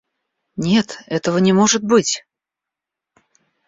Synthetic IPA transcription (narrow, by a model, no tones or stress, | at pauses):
nʲe̞t̪ɛt̪əvənʲɪmo̞ʐɨt̪̚bɨtʲ